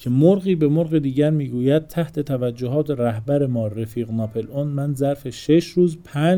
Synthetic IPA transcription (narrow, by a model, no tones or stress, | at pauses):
cʰe̞moɾɣiːbe̞moɾɣe̞d̪iːɟæɾmiːɡuːjæd̪̚t̪ʰæht̪ʰe̞t̪ʰævæd͡ʒːoɦɒːt̪ʰeɾæɦbæɾe̞mɒːɾefiːɣnɒːpʰe̞lonmænzæɾfe̞ʃe̞ʃɾuːzpʰæ